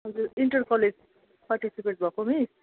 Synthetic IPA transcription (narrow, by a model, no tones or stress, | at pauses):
ʌd͡zuɾiɳʈʌrkʌled͡z | paɾʈisipeʈ̚bʱʌkomi